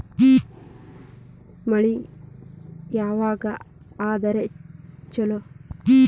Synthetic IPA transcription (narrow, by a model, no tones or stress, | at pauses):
mɐɭi | jaːʋaːɡɐ | aːd̪ɐɾet͡ʃɐlo